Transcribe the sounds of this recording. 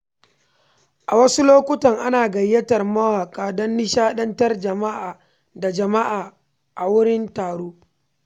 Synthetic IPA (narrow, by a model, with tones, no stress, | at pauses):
ʔa˨wɐ˦su˦loː˦kʷʊ˦tɐ˨ŋʔa˦naː˨ɡɐ˨jːɐ˦tɐ˨rmɐ˦waː˨kʼaː˦dɔ˦nːɪ˦ʃaː˦ɗɐ˦ntɐ˦rd͡ʒɐ˨ma˦ʔaː˨ | da˨d͡ʒɐ˨ma˦ʔaː˨ | ʔa˨wʊ˦ɽɪ˦ntaː˨ɽoː˦